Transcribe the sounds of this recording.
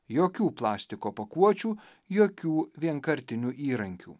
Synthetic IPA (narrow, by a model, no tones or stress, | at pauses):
joːkʲuːplˠɑːsʲt̪ʲɪkoːpɐkuɔt͡ʃʲuː | joːkʲuːʋʲiɛŋkɐɾʲt̪ʲɪnʲuːʔiːɾɐŋʲkʲṵː